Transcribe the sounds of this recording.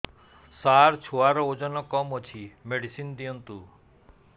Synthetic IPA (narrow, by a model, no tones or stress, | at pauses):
saɾt͡ʃʰoaɾɔod͡ʒɔnɔkɔmɔt͡ʃʰimeɽisind̪iɔnt̪u